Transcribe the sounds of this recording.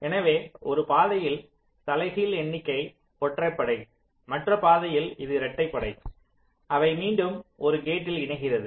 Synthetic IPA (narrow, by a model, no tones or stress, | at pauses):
ɛnɐʋeːɔɾɯpaːðɐjɪl | t̪ɐlɐɪɣiːlɛɳːɪkːɐɪ | pɔʈrɐɪpːɐɽɐɪ | mɐʈrɐpaːðɐjɪlɪðɯɾɛʈːɐɪpːɐɽɐɪ | ɐʋɐɪmiːɳɖɯmɔɾɯɡeːʈːɪlɪɳɐɣɪrɐðɯ